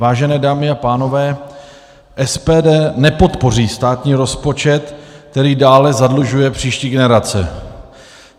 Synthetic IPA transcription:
vaːʒɛnɛːdaːmɪapaːno̞vɛː | ʔɛspɛːdɛːnɛpo̞t̪po̞riːst̪aːt̪ɲiːɾo̞spo̞t͡ʃɛt̪k̚t̪ɛɾiːdaːlɛzadluʒujɛpr̝̥iːʃciːɡɛnɛɾat͡sɛ̰

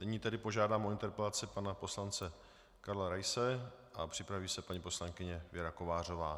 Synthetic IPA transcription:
nɪɲiːt̪ɛdɪpo̞ʒaːdaːmoɪnt̪ɛɾpɛlat͡sɪpanapo̞slant͡sɛ | kaɾlaɾajsɛʔapr̝̥ɪpɾaviːsɛpaɲipo̞slaŋkɪɲɛvjɛɾako̞vaːr̝o̞vaː

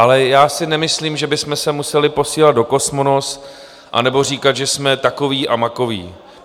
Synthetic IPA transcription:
ʔalɛjaːsɪnɛmɪsliːmʒɛbɪsmɛsɛmusɛlɪpo̞siːlat̪̚do̞ko̞smonos | ʔa̰nɛbo̞r̝iːkat̪ʒɛsmɛt̪akoviːʔamako̞vḭː

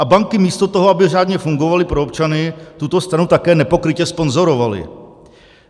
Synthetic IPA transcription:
ʔabaŋkɪmiːst̪o̞t̪o̞ɦoabɪraːdɲɛfuŋɡo̞valɪpɾoop̚t͡ʃanɪt̪ut̪o̞st̪ɾanut̪akɛːnɛpo̞kɾɪcɛspo̞nzo̞ɾo̞valɪ̰

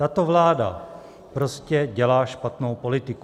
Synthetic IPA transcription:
tat̪ovlaːda̰ | pɾo̞scɛɟɛlaːʃpat̪no̞wpo̞lɪt̪ɪk

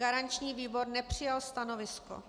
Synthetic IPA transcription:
ɡaɾant͡ʃɲiːviːbo̞ɾnɛpr̝̥ɪjalst̪ano̞vɪsko̰

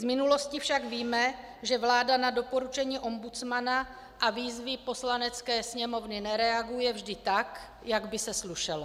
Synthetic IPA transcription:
zmɪnulo̞scɪfʃaɡviːmɛ | ʒɛvlaːdanado̞po̞ɾut͡ʃɛɲiːʔo̞mbut͡smana | ʔaviːzvɪpo̞slanɛt͡skɛːsɲɛmo̞vnɪnɛɾɛaɡujɛvʒdɪt̪ak | jaɡbɪsɛsluʃɛlo

